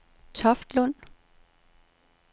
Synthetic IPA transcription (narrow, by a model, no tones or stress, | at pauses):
t͡sʰɒ̽fd̥lɔn̰